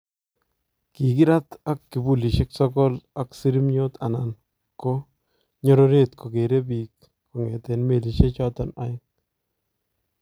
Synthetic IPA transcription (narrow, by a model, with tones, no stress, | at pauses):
ki˨ki˦ɾa˦ta˦kːi˨bu˦˨li˨ʃɪ˦ksɔ˦kɔ˦la˨ksi˦ɾi˦mɲo˦t̪a˨na˨n | ko˦ | ɲɔ˦ɾo˦ɾe˦t̪kʰo˨ke˨ɾe˦bi˨kː | o˨ŋɛ˨te˨nme˨li˨ʃe˦t͡ʃɔ˦tɔ˨na̰˨˦jɪ˦ŋ̚